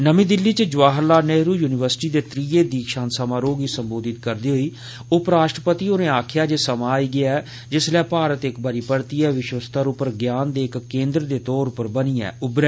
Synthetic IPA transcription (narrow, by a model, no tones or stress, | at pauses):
nəmĩːd̪ɪlːiːt͡ʃəd͡ʒʋaːɦəɾlaːneːɦɾuːjuːnɪʋəɾsʈiːd̪eːt̪ɾiːeːd̪iːkʰʃãːnsəmãːɾoːɡiːsəmboːd̪ɪt̪̚kəɾd̪iːɦoiː | ʊpɾaːʃʈɾəpət̪iːoːnẽːaːkʰjaːd͡ʒeːsəmãːiːɡɪaːɛː | d͡ʒɪslɛːpaːɾət̪ɪkbəːɾiːpəɽt̪iːɛːʋɪʃwəst̪ʰaɾʊpəɾɡjaːnd̪eːɪkːẽːnd̪ɾəd̪eːt̪ɔːɾʊpəɾbəniːɛ̰ːʊbɾɛ